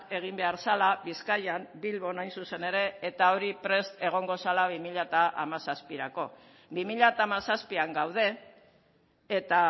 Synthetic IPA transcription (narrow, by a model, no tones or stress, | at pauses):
e̞ɣ̞imbe̞aɾsalaβiskajambilβo̞najnsuse̞ne̞ɾe̞et̪ao̞ɾipɾe̞st̪e̞ɣ̞o̞ŋɡo̞salaβimiʎat̪aʔa̰masaspiɾako̞ | bimiʎat̪aːmasaspiaŋɡawð̞e̞ | t̪a